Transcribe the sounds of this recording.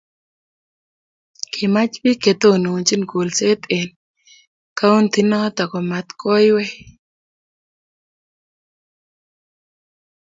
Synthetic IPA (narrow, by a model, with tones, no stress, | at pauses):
kʰɪ˨ma˦t͡ʃbi˦ke˨t̪o˦nu˨nt͡ʃi˦nɡo˨lse˦t̪e˨n | ka˦u˦nt̪i˨nɔ˦t̪a˨kɔ˨ma˨t̪kʰɔ˦jwɛ˦